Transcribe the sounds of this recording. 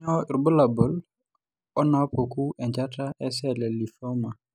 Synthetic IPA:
ɔ˦˨ɾbu˦la˨bʊ˨˦l | ɔ˦na˨˦po˨ku˦ɛ˨ɲd͡ʒa˦ta˦ʔɛ˦sɛ˦˨lɛ˨li˨fɔ˦ma˨

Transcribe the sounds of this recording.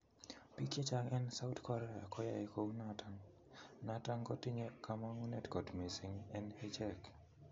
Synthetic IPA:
pi˦ke˦t͡ʃa˦ŋɛ˦nsa˦wtkɔ˦ɾɛa˨kɔ˦ja˨jeko˦nataŋ | na˦ta˦ŋkɔ˦ti˦ɲe˦ka˦ma˦ŋu˦nɛ˨tkɔ˨tmi˨si˨ŋɛ˦nhe˦t͡ʃɛ˦k

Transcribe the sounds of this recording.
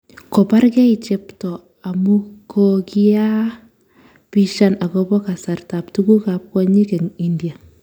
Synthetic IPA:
kɔ˨pa˦ɾkɛ˦i˨t͡ʃɛ˦ptɔ˨ | a˨mu˦kɔ˦ki˦a˦ | pi˦ʃa˦na˨kɔ˦bɔ˦ka˨sa˨rta˨p̚tu˦ɡu˦ka˨p̚kɔ˦ɲi˦kɛ˨ŋi˦ndi˨a˨

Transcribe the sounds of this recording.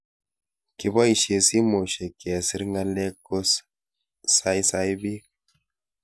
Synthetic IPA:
ki˨bɔ˦i˨ʃe˨si˦mo˨ʃe˨kɛ˨si˦ɾŋɡa˦le˦ko˦s | sa˦jsa˦jbi˦k̚

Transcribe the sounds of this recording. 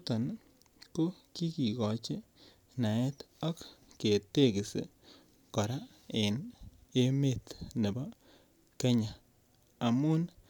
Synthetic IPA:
t̪ɔ˨n | ko˦ki˦ki˨kɔ˨t͡ʃe˦ | na˨ɛ˦t̪ɔ˦kːe˨te˦kɪ˨sḛ˨ | kɔ˨ɾa˦ | ɪ˨ne˦me˦˨t̪ne˨bɔ˦ | ke˦ɲa˨ | a˨mʊ˦n

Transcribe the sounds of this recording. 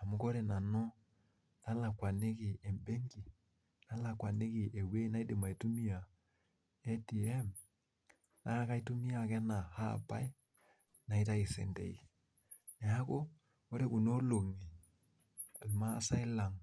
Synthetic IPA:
a˨mu˦ko˦ɾe˨na˨no˦ | na˦la˨kwa˨ne˦ki˨e˨mbe˦ŋɡi˨ | na˦la˨kwa˨ne˦ki˨e˨we˦na˦i˦di˨ma˨i˨tu˦mi˦a˨ | e˦ti˨ɛ˦m | na˦ka˦i˦tu˦mi˦a˨kɛ˦na˨ha̰˦˨pa˦i˦ | na˨i˦ta˦i˨sɛ̰˨ndḛ˨ḭ˨ | nɛ˨a˦ko˦ | ko˦ɾe˦ku˨no˦lo˨ŋi˨ | lma˦sa˦i˦la˨ŋ

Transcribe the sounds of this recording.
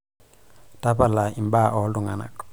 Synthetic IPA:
ta˦pala˨i˨mbaː˦ʔɔ˨˦ldu˨ŋa˨na̰˨k

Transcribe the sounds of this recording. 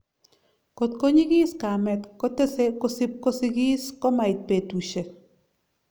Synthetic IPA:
ko˨tko˦ɲi˦ki˦ska˨mɛ˨tkɔ˦te˦se˦ko˦si˦p̚ko˦si˦ki˦skɔ˦ma˨i˨t̚pe˨tu˨ʃe˨

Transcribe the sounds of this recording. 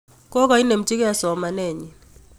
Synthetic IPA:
kɔ˦ka˨i˦ne˨mt͡ʃi˦ka˨sɔ˨ma˨nɛ˦˨ɲi˨

